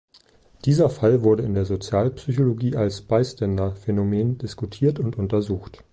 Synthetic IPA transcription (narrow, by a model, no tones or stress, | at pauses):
d̥iːzɐfalvʊɐɾəɪndeːɐzot͡sjaːlpsyçoloɡiːʔalsb̥aɪstʰɛndɐfenomeːndɪskutʰiːɐtʊntʔʊntɐzuːxt